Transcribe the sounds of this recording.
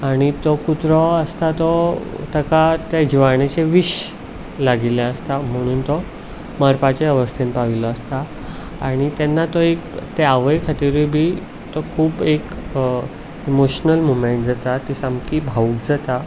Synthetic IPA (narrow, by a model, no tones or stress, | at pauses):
aɽ̃it̪ɔkut̪ɾɔəst̪at̪ɔt̪əkat̪ad͡ʑiʋaɳ̃et͡ɕeʋiɕ | laɡiljãəst̪am̤əɽ̃uːnt̪ɔ | məɾpat͡ɕeəʋəst̪ʰenpaʋilɔəst̪a | aɽ̃it̪ɛnːat̪ɔekt̪eaʋəjkʰət̪iɾibʱiː | t̪ɔkʰuːpek | imoɕnəlmomeɳʈ̚d͡zat̪at̪ːisamkibʱauːkd͡zat̪a